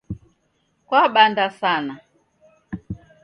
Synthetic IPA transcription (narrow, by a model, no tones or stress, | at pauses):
kwaɓandasana